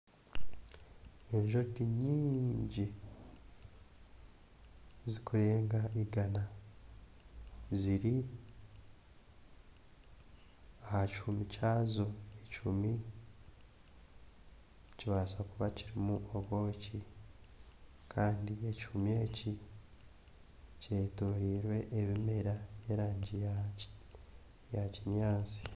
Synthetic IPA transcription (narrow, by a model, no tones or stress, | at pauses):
eɲʒo̞ɡiɲiːɲɟi | zikuɾe̞ːŋɡaiɡana | ziɾi | ahacumicaːzoecumi | ciβaːsakuβaciɾimuʔoβo̞ːci | kʰaːndiechumie̞ːci | cetoɾiːɾwe̞ʔːβimeɾaβjeɾaːɲɟija | jaciɲaːnsi̥